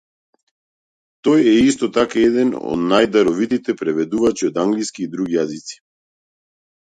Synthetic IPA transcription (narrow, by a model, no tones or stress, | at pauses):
t̪ɔjɛist̪ɔt̪akaɛd̪ɛnɔ̰d̪najd̪aɾɔvit̪it̪ɛpɾɛvɛd̪uvat͡ʃiɔd̪aŋɡliskiːd̪ɾuɡijazit̪si̥